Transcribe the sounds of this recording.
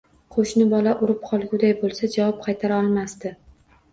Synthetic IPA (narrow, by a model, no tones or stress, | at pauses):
qʰoʃnɪbɒlaʔʊɾɪp̚qʰɒlˠɡʲʊd̪ajbolˠsad͡ʒavɒp̚qʰɑjt̪ʰaɾaɒlˠmast̪ɪ